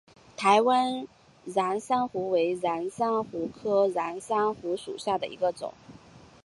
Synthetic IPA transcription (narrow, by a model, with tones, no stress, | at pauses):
t̪ʰa˧˥ɪwa˥n | ɻa˧˥nsa˥ŋxu˧˥we˧˥ɪɻa˧˥nsa˥ŋxu˧˥kʰɤ˥ɻa˧˥nsa˥ŋxu˧˥ʂṵ˨˩ɕja˥˩d̪ə̰˩ḭ˧˥ɡə˧t͡sʊ̰˨˩˦ŋ